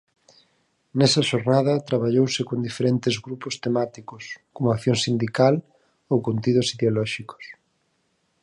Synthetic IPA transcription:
nɛsɐʃoɾnaðɐt̪ɾaβ̞aʎowsɪkond̪ifeɾɛnt̪ɪzɣɾupʊst̪emat̪ikʊskomoakθjoŋsind̪ikal | owkont̪iðʊsiðeolɔʃiko̥s

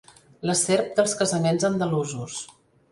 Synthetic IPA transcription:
ləseɾp̚d̪əlˠskəzəmenzənd̪əluzus

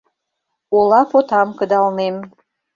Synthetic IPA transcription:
olˠɑpot̪ɑmkɤ̆d̪ɑlˠnem

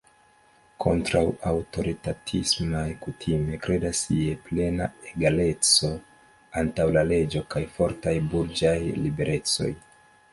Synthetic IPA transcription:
kʰo̞̰ntɾawawto̞ɾitatʰismajkutʰime̞kɾe̞dasieple̞na̰e̞ɡale̞t͡so̞ | antawlale̞d͡ʒo̞kajfo̞ɾtajbuɾd͡ʒajlibe̞ɾʔe̞t͡so̞̰j

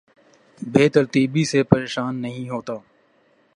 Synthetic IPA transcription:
beːt̪əɾt̪iːbisepɐɾeːʃaːnːɐɦĩɦoːt̪aː

